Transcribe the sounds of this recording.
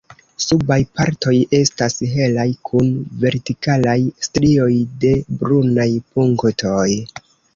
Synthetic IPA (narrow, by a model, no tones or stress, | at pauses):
subajpa̰ɾto̞je̞stasɦe̞lajkʰunve̞ɾtikalajstɾio̞jde̞bɾunajpuŋktʰo̞j